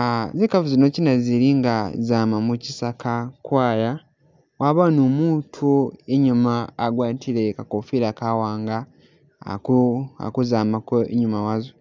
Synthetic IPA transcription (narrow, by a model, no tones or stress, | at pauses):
zekavuzinocinaziɾiŋɡazaːmamucisakʰakwaːja | waβanomuːtʰueɲumaːɡwaːtʰilekakofiɾakawaːŋɡa̰ | a̰kuzaːmakoeɲumawazo